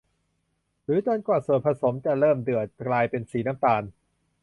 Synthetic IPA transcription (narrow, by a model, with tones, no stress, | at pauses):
ɾɯː˨˩˦t͡ɕɔː˧nkwaː˨˩soː˨˩t̪̚pʰa˧so˩˦mt͡ɕa˨˩ɾɤː˥˩mdɯ˨˩ət̪̚klaː˧jpe˧nsiː˩˦naː˦˥mt̪aː˧n